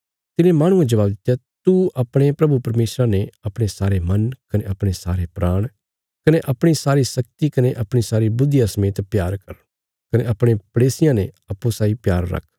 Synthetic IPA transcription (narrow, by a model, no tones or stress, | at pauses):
t̪ɪnẽmaːɽ̃ʊ̃ẽd͡ʒɐʋaːbd̪ɪt̪ːjat̪uʔɐpɽ̃epɾɐbupɐɾmeːsɾaneɐpɽ̃esaːɾemɐnkɐneɐpɽ̃esaːɾepɾaːɽ̃ | kɐneʔɐpɽ̃isaːɾisɐk̚t̪ikɐneʔɐpɽ̃isaːɾibʊd̪jasɐmeːt̪pjaːɾkɐ̰ɾ | kɐneɐpɽ̃epɐɽeːsɪjãneɐpːõsaːipjaːɾːɐ̰kʰ